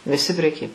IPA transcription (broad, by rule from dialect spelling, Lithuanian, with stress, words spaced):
ʋʲɪˈsʲɪ pʲrʲɛˈkʲiː